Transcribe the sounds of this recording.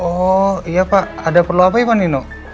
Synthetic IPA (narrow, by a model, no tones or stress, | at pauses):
oijapaʔadapərluapajɛpaninoʔ